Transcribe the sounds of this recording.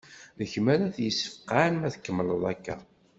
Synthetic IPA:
ləçmæɾæðjəsːə̥fqanmæθkːəmːləðˤækːæ̰

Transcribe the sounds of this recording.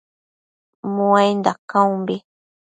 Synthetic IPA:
mũajnd̪akãumbi

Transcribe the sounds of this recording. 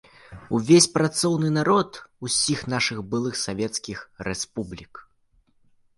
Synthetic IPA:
uvʲesʲpɾat̪sɔwnɨnaɾɔt̪usʲixn̪aʂɨɣbɨlˠɨxsavʲɛt̪skʲixɾɛspublʲik

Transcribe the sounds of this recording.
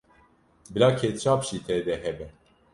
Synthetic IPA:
bɨlaːkʰet̪t͡ʃʰaːpʃiːt̪ʰɛd̪ɛɦɛbɛ

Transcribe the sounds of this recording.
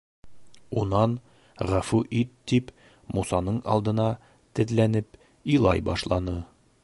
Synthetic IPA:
unɑn | ʁæfuʔit̪ːip | musɑnɤɴɑ̰lˠd̪ɤ̆nɑ | t̪ɘ̆ðlænɘp | ilˠɑjbɑʃlˠɑnɤ

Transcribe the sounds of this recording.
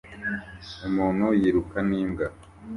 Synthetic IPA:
umuːn̤̥hujiɾukaniːmɡa

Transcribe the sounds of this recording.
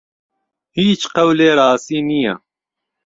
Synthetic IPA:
hiːt͡ʃqɐwleːɾɑːsiːnija̰

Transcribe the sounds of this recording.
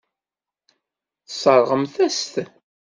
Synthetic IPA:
θsˤəɾˤʁəmθæst̪

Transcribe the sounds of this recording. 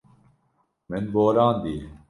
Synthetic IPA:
menboːɾaːnd̪i

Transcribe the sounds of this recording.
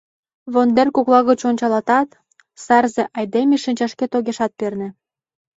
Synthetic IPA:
βond̪erkoklɑɣət͡ɕonʲt͡ɕɑlɑt̪ɑt̪ | sɑrzĕʔɑjd̪emiʃinʲt͡ɕɑʃket̪oɣeʃɑt̪̚pernĕ

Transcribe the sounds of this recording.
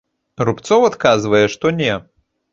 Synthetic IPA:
rupt̪sɔwat̪kazvɐjɛʂt̪ɔnʲɛ

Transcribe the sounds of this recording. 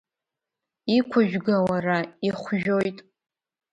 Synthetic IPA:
ikʷʰʊʒᶣɡawaraiχʷʒᶣojtʼ

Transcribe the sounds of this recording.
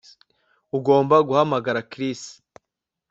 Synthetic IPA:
uɡo̞ːmbaɡuhamaɡaɾakɾisi̥

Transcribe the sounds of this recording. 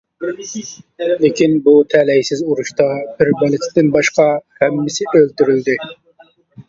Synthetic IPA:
lɪkʲinbut̪ʰɛlɛjsɪzuɾuʃt̪ɑb̥ɪɾbɛlˠɪt̪ʰɪd̪ɪnbɑʃqɑhæmːɪsɪølt̪yɾyld̪ɪ

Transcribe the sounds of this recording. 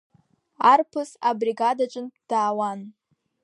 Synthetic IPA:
arpʰɨsabriɡadat͡ʃʷʼɨnd̥aːwan

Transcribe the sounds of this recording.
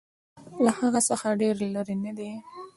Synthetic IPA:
lahaɣasaxaɖeɾloɾenad̪i

